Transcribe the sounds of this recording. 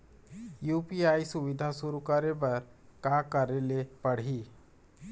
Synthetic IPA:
jupiajsuʋid̪ʱasuɾukaɾeʋəɾkakəɾelepəɽ̤iː

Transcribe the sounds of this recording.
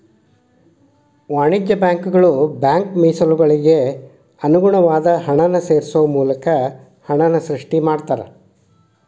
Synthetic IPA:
ʋaːɳid͡ʒjɐbjaːŋkuɡɐɭubjaːŋkmiːsɐluɡɐɭiɡe̞ | ɐnuɡuɳɐʋaːd̪ɐɦɐɳɐnɐse̞ːɾsuʋɐmuːlɐkɐ | hɐɳɐnɐsɾiʂʈimaːɽt̪aːɾḛ

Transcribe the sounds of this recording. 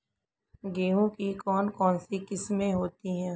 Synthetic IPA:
ɡeːɦõkikɔːnkɔːnsikɪsmẽɦoːt̪iɦɛ̃ː

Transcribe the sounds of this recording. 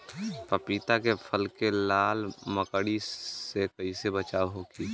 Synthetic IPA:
pəpiːt̪akepʰəlkelaːlməkəɽisekəisebət͡ʃaːɦokiː

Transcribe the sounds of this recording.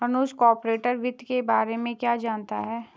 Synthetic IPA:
ɦənuːskɔːɾpɾeːʈəɾʋɪd̪kebaːɾemẽkjaːd͡ʒaːnt̪a̰ɦɛː

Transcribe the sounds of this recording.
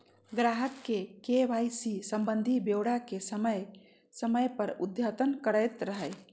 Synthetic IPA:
ɡɾaɦəkkekeʋajsisə̃mbənd̪ʱibjeʊɽakesəməj | səməjpəɾud̪jat̪ənkəɾəjt̪ɾəɦəj

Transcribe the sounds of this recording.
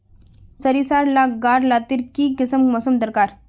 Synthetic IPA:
səɾisaɾlakɡaɾlat̪iːɾkiːkisəmmɔsəmd̪əɾkaɾ

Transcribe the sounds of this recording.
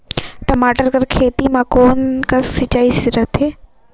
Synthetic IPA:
ʈɐmaːʈəɾkɐɾkʰeːt̪imãkoːnkɐsːɪt͡ɕaːisiɾɐt̪ɦeː

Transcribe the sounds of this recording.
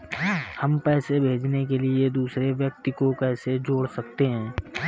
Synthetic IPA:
hɐmpɛːsebʱeːd͡ʒnek̬elied̪uːsɾeʋjɐk̚t̪ikokɛːsed͡ʒoːɽsɐkt̪eɦɛ̃ː

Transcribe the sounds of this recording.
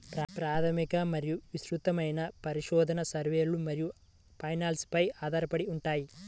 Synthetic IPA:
pɾpɾaːt̪ʰɐmikɐmɐɾijuʋisɾut̪ɐmɐjnɐpɐɾiʃɔːd̪ʱɐnɐsɐɾʋeːlumɐɾiju | pɐjnaːlspɐjaːd̪aːɾɐpɐɽiuɳʈaːji

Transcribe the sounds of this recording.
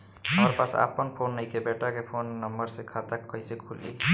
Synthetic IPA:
ɦəmɾpasa̰pənpʰonːəjkebeʈakepʰonːəmbəɾsekʰat̪akːəjsekʰulːḭ

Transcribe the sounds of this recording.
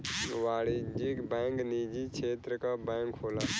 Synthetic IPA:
ʋaːɽiːd͡ʒiːkbɛ̃ːŋkniːd͡ʒiːt͡ʃʰeːt̪ɾəkaːbɛ̃ːŋkɦoːlaː

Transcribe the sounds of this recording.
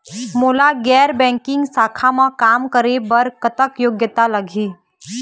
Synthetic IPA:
moːlaɡɛːɾbɛ̃ːŋkɪ̃ŋɡsaːkʰamãkaːmkəɾebɐɾkət̪əkjoːɡjət̪alɐɡʱiː

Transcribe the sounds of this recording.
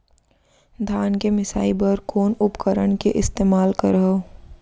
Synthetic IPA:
d̪ʱaːnkemɪsa̰ːibɐɾkoːnʊpkəɾəɳkeʔɪst̪eːmaːlkəɾɦoː

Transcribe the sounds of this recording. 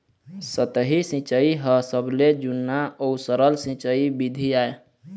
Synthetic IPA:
sət̪əɦisĩt͡ʃəiɦəsəbled͡ʒunːaəusəɾəlsĩt͡ʃəibid̪ʱiae

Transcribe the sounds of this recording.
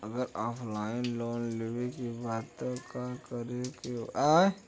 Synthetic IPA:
əɡəɾɔːpʰlaːɪnloːnlewekibaːt̪ːkakəɾekea

